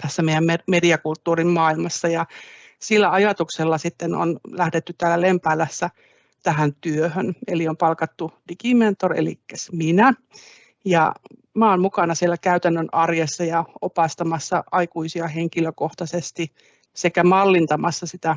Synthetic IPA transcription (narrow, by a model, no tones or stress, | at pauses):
t̪æsːæmeijæmmemediɑkult̪ːuːrimmɑːilmɑsːɑjɑ | silːæɑjɑt̪ukselːɑsit̪ːeno̰nlæhdet̪ːytt̪æːlːælempæːlːæsːæ | t̪æhænt̪yøhønḛliompɑlkɑt̪ːud̥ikiment̪orḛlḭkːæsminæ | jɑ̰ | mæːonmukɑnɑsielːækæyt̪ænːønɑrjesːɑjɑopɑst̪ɑmɑsːɑʔɑikuisiɑheŋkiløkoht̪ɑsest̪i | sekæmɑlːint̪ɑmɑsːɑsit̪æ